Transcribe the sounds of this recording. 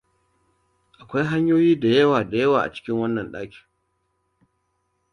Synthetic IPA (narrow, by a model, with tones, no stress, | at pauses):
ʔa˨kʷa˦jɦa˦ɲjoː˦jiː˦da˨jɐ˦waː˨da˨jɐ˦waː˨ʔa̰˨t͡ʃɪ̥˦kʲɪ˦ŋwɐ˦nːɐ˨nɗaː˦kʲi̥ː˨